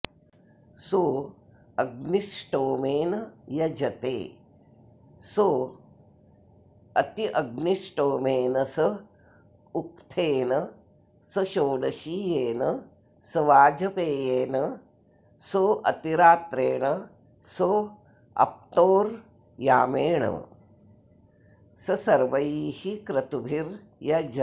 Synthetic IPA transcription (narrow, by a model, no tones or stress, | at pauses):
so | ɐɡnisʈoːmeːnɐjɐd͡ʒɐt̪ḛː | so | ɐt̪iʔɐɡniʃʈoːmeːnɐsɐ | ukt̪ʰeːnɐ | sɐʃoːɽɐʃiːjeːnɐ | sɐʋaːd͡ʒɐpeːjeːnɐ | soʔɐt̪iɾaːt̪ɾeːɳɐ | so | ɐ̰p̚t̪oːɾ | jaːmeːɳɐ̰ | sɐsɐɾʋɐjiːhikɾɐt̪ubʱiɾ | jɐd͡ʒɐ